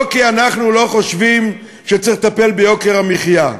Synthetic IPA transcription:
kianaχnulo̞χo̞ʃvim | ʃet͡siχt̪ape̞lbejo̞keʁamiχja

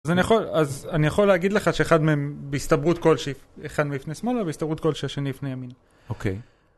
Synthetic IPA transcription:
zanijaχo̞lazanijaχo̞leaɡid̪le̞χaʃe̞eχad̪meembeist̪abʁut̪ko̞lʃeeχad̪meifnejsmo̞labeistabʁut̪ko̞lʃeaʃe̞nibifnejamin | okʰḛj

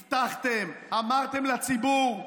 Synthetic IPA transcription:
t̪aχt̪emamaʁt̪e̞mlat͡sibuʁ

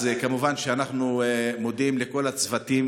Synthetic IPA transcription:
zekamuvanʃeanaχnumo̞d̪imleko̞lat͡svat̪im

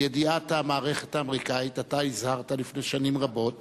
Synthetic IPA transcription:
jediathamaːʁe̞χe̞̥taːmeʁikaitataizhaʁt̪alifne̞ʃanimʁabo̞t

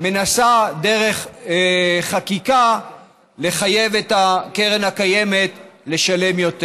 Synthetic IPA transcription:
me̞nasad̪e̞ʁe̞χ | χakika | le̞χaje̞vet̪akeʁenhakaje̞me̞t̪le̞ʃale̞mjo̞t̪e

